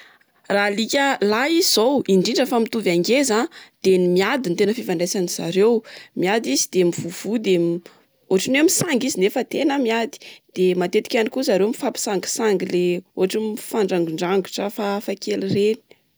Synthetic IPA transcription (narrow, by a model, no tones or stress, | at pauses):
ralikʲəlaizowiɳɖ͡ʐiɳɖ͡ʐəfamit̪uvaŋɡezad̪̥enimiad̪int̪enəfivaɳɖ͡ʐajsaniz̥a̰ɾewmiad̪izid̪emivuv̥ud̪em | oaʈ͡ʂinemisaŋɡizinefət̪enamiad̪i̥d̪̥emat̪et̪i̥kʲanikuzaɾemifapi̥saŋɡi̥saŋɡileoɦaʈ͡ʂimiifaɳɖ͡ʐaŋɡuɳɖ͡ʐaŋɡuʈ͡ʂəfafakelireni̥